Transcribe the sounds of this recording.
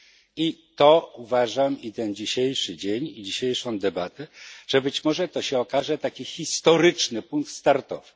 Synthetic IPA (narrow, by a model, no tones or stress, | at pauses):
it̪ɔuvaʐamit̪ɛnd͡ʑiɕejʂɘd͡ʑeɲid͡ʑiɕejʂɔ̃w̃d̪ɛbat̪ɛʐ̥ɛbɘt͡ɕmɔʐɛt̪ɔɕɛɔkaʐɛt̪akʲixʲist̪ɔɾɘt͡ʂnɘpuŋk̚t̪st̪aɾt̪ɔv̥ɘ̥